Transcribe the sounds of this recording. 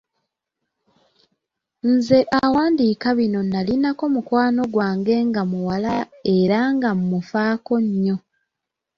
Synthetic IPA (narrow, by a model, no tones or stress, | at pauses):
nze̞ʔawaːndikaβino̞nalinako̞mukwaːno̞ɡwaːŋɡe̞ŋɡamuwalae̞ɾaŋɡammufaːko̞ɲːo̞